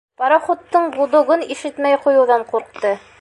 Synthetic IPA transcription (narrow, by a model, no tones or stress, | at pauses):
pɑɾɑχŏt̪ːɤɴbud̪ŏʁɤniʃɘt̪mæjqujɤ̆wðɑɴquɾq̚t̪ɤ